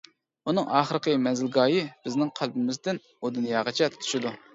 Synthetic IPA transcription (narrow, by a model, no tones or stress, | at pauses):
unɨŋɑːχəɾəqʰəmɛnzɪlɡɑːjɪbɪznɪŋqʰælbɪmɪzd̪ɪn | od̪ɨnjɑʁət͡ʃʰɛt̪t̪ʰy̥ʃid̪u